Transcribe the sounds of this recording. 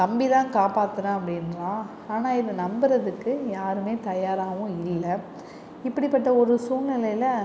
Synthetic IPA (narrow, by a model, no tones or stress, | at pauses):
ɐmbiðãːkaːpaːt̪ːɐɽɐ̃ɐpːɐɽɪnɾãː | aːnaːɪðɯnɐmbɐɾɐðɯkːɯjaːɾɯmeːt̪ɐjaːɾaːʋʊ̃ɪlːɐ | ɪpːɐɽipːɐʈːɐɔɾɯsuːnnɪlɐjlɐ